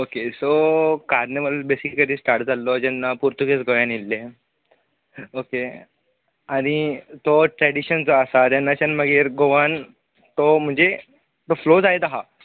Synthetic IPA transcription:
okesokaɾneʋəllbesikːəɾiːsʈaɾʈd͡zalːɔd͡ʑɛnːapuɾt̪uɡesɡoʋjãnilːe | oke | aɽ̃it̪oʈɾɛɽiɕənt͡sɔəsat̪janːat͡ɕanməɡeːɾɡoʋan | t̪om̤əɳd͡ze | t̪oflod͡zajd̪aɦa

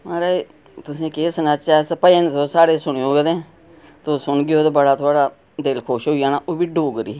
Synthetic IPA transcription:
ãːɾeː | t̪ʊsĩːkesənaːt͡ʃaːspəeːnt̪oːsaːɽeːsʊɽoːɡed̪ẽː | t̪oːsʊɳɡɪjoːd̪ebəɽaːt̪ʰʊaːɽaː | d̪elkʰoːʃɦoːijaːnaːʔoːbiːɖuːɡɾḭː

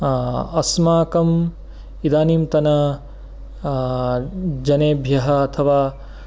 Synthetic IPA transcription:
ɐsmaːkɐm | id̪aːniːmt̪ɐnɐ | d͡ʒɐneːbʱjɐɦɐːt̪ʰɐʋaː

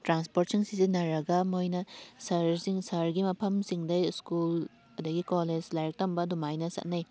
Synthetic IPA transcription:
tɾanspoɾtsiŋsisinɐɾɐɡɐmojnɐsɐɾsiŋsɐɾɡimɐpʰɐmsiŋdɐskul | ɐdɐɡikoled͡ʒlajk̚tɐmbɐdumajnɐsɐ̰t̚nɐj

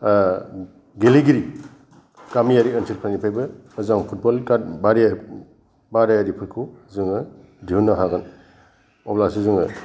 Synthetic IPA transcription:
ɡeliɡiɾi | kamijaɾiɐnsʰiɾkʰɾanipʰajbɯːzaŋpʰut̚bɔlkabaɾe | baɾajaɾipʰɯɾkʰuzɯŋɯ | diunːaɦaɡan | ɔplasizɯŋɯ

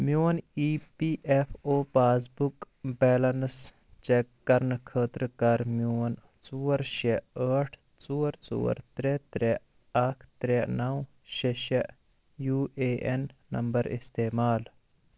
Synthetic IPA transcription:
mjoːniːpiʔefʰoːpaːs̬buk | bɛːlɐns | t͡ʃekːɐɾnkʰəːt̪ɾkɐɾmjoːn | t͡suːɾʃeəːʈʰ | t͡suːɾt͡sṵːɐ̰ɾt̪ɾet̪ɾe | ɐkʰt̪ɾenɐw | ʃeʃeʔ | juːeːʔenːɐmbɐɾḭst̪eːmaːl

